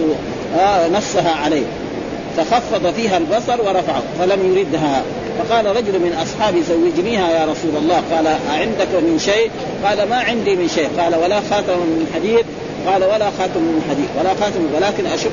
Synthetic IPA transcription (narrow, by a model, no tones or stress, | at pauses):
anɑsˤːɑɦaʕaleː | faxɑfːɑd̪ˤɑfiːɦalbɑsˤɑɾˤwɑɾˤɑfaʕa̰falamjʊɾid̪ɦa | fɑqɑːlaɾˤɑd͡ʒʊlmɪnʔɑsˤħɑːbjzawːɪd͡ʒniːhajaːɾˤɑsuːlɑlˤːɑːqɑːlaʕɪnd̪akmɪnʃeː | qɑːlamaʕɪnd̪imɪnʃeːqɑːlawalaxaːt̪amamɪnɪlħad̪iːθ | qɑːlawalaxaːt̪ɪmalħad̪iːwalaxaːt̪ɪmwalaːkinʔaʃa